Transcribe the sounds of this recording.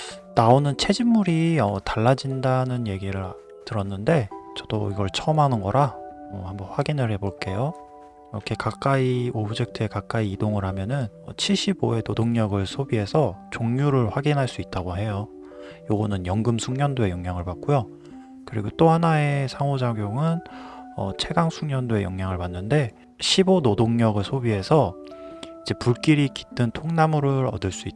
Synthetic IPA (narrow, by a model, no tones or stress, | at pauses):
naonɯnt͡ɕʰe̞d͡ʑimːuɾiʌtaɭːad͡ʑindanɯnje̞ɡiɾɯɾ | tɯɾʌnːɯnde̞t͡ɕʌd̥oiɡʌɭt͡ɕʰʌʌmɦanɯnɡʌɾamohambʌnɸwaɡinɯɭhe̞boɭk͈e̞jo | iɾʌkʰe̞kak͈aiobɯd͡ʑe̞k̚tʰɯe̞kak͈aiːdoŋɯɾɦamjʌnɯn | ʌt͡ɕʰiɭɕ͈iboe̞todoŋɲʌɡɯɭsʰobiɦe̞sʰʌt͡ɕoŋɲuɾɯɭɸwaɡinɦaɭs͈uit̚t͈aɡoɦe̞jo | joɡʌnɯnjʌŋɡɯmsʰuŋɲʌndoe̞jʌŋɲjaŋɯɭpat̚k͈ujo | kɯɾiɡot͈oɦanae̞sʰaŋod͡ʑaɡjoŋɯnʌ̰t͡ɕʰe̞ɡaŋsʰuŋɲʌndoe̞jʌ̰ŋɲaŋɯɭpanːɯnde̞ | ɕʰibonodoŋɲʌɡɯɭsʰobiɦe̞sʰʌ | id͡ʑe̞puɭk͈iɾiki̥t͈ɯntʰoŋnamɯɾɯɾʌdɯɭs͈ui